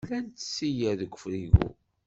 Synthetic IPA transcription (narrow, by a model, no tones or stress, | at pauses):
lænt̪sːijæðəɡʷːəfɾiɣṵ